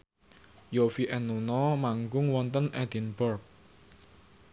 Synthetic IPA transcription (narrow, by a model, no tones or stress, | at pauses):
jofiʔɛnunɔmaŋɡʊŋwɔnt̪ənʔɛd̪̥inbɔrk̚